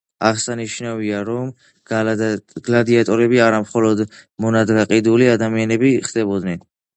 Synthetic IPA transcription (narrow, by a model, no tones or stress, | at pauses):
aʁsaniʃnaviaɾɔm | ɡlad̪iat̪ʼɔɾɛbiaɾamχɔlɔd̪mɔnad̪ɡaqʼid̪uliad̪amianɛbiχd̪ɛbɔd̪nɛn